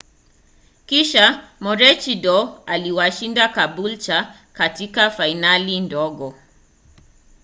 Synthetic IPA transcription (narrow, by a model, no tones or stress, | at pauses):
kiʃamɔɾɛt͡ʃidɔaliwaʃindakabult͡ʃa | katikafainalindɔɠɔ